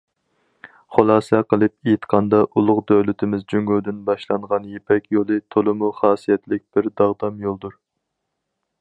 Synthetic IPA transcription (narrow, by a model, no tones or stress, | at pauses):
χolˠɑːsɛqəlˠɨpejt̪qʰɑnd̪ɑʔulˠʊqd̪øwlɪt̪ʰɪmɪzd͡ʒyŋɡyld̪ynbɑʃlˠɑɴʁɑnjepʰɛkʲjolˠɨt̪ʰolˠɨmuχɑːsijɛt̪ʰlɪk̚ʲb̥ɪɾd̪ɑʁd̪ɑmjolˠd̪uɾ